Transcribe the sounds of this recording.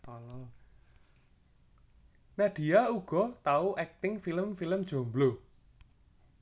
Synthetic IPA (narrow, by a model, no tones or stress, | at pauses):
ɔlɔl | naɖ̥i̤auɡ̥ɔ̤t̪auʔɛk̚t̪ɪŋfiləmfiləmd̥ʒ̥o̤mblo